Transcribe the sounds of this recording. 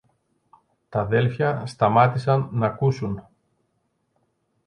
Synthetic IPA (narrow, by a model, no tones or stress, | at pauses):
t̪ɐðe̞lfçɐst̪ɐmɐt̪isɐnːɐkusun